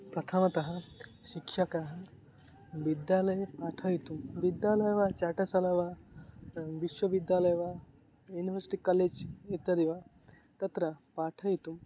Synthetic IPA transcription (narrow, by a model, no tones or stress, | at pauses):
pɾɐt̪ʰɐmɐt̪ɐɦɐʃikʃɐkaɦɐ | ʋid̪jaːlɐjɐpaːʈʰɐjit̪umʋid̪jaːlɐjʋaːt͡ʃaːʈɐsɐlɐʋa | ʋiʃʋɐʋid̪jaːlɐjʋa | juːniʋɐɾsi̥ʈikːɐleːd͡ʒit̪jɐd̪iʋa | t̪ɐt̪ɾɐpaːʈʰɐjit̪um